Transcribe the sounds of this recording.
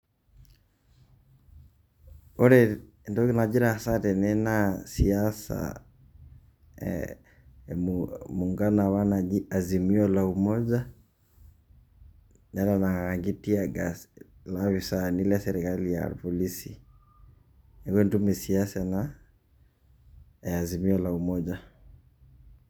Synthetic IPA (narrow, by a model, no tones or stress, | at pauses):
oɾe | ndoknad͡ʒiɾaːsatɛnenasiasa̰ | muŋɡanaβanaiazimiɔlaumɔza | nɛlanaɣaŋɡitiaɡalaβisanilasɛɾikalija̰pɔlisi | ɛɣentumesiasana | azimiɔlaumɔd͡ʒa